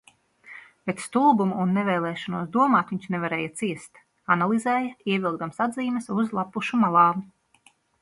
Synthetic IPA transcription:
bet̪st̪ulˠbumuːnːevɛːlˠɛːʃɔnuɔsd̪uɔmaːt̪ʋiɲt͡ʃnevaɾɛːjat̪siɛst̪ | analˠizɛːjaiɛvʲilˠɡd̪amsad̪ziːmɛsuzlˠapuʃumalˠɑːmu

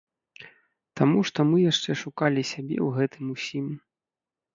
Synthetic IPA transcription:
t̪amuʂt̪ɔmɨjaʂt͡ʂɛʂukalʲisʲabʲɛ̰wɣɛt̪ɨmusʲim

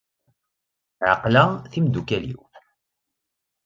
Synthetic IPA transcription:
ʕə̰qlaθimd̪ukælḭw

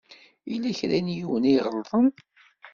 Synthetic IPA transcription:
ilːæçɾænjuwəniʁəlðˤən

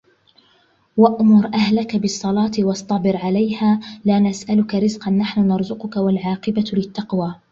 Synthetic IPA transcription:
waʔmʊɾˤʔahlakabɨsˤːɑlɑːt̪wɑsˤt̪ˤɑbɪɾʕalajhaːlaːnasʔalʊkaɾɪzqɑnːaħnʊnɑɾˤzʊqʊkawalʕɑːqɪbalɪt̪ːɑqwaː

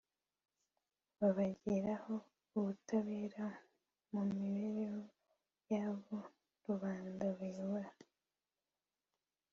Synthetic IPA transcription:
βaβaɟiɾaho̞ | uβutaβeːɾa | mummiβeɾeho | jaːβo | ɾuβaːndaβeβuɾa

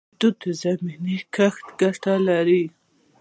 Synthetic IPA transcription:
d̪ud̪əzaminikaxt̪ɡaʈalaɾi

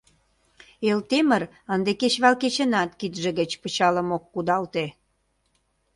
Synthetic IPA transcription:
elt̪emər | ənd̪eket͡ɕβɑlket͡ɕə̆nɑt̪kit̪ʒĕɣət͡ɕpə̆t͡ɕɑləmokːud̪ɑlt̪e

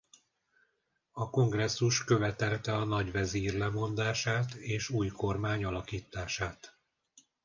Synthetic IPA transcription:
ɒko̞ŋɡrɛsːuʃkø̞vɛt̪ɛlt̪ɛɒnɒɟʋɛziːrlɛmo̞nd̪aːʃaːt̪eːʃuːjko̞rmaːɲɒlɒkiːt̪ːaːʃaːt̪

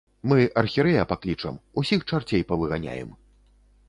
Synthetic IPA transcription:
mɨʔɐrxʲiɾɛjapaklʲit͡ʂɐ̰musʲixt͡ʂart͡sʲejpɐvɨɣanʲa̰jɛ̰m

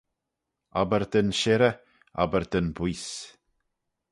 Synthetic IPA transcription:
abəɾd̪ənʃɛɾə | a̰bəɾd̪ənbwiːs

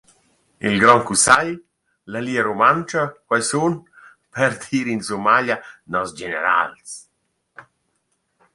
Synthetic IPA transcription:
ḭlɡɾɔŋkusaj | laliːaɾumant͡ʃakwajsun | pɛɾd̪iːɾinsumaʎanɔsd͡ʒenḛɾa̰ls

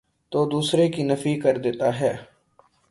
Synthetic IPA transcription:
t̪oːd̪uːsɾekinɐfikəɾd̪eːt̪aɦɛː

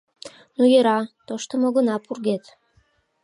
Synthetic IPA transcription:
nujeɾɑt̪oʃt̪omoɣənɑpurɣet̪

